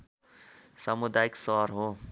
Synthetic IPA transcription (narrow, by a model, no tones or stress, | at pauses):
sɐmʊd̪aːɪksɔːɾɦoː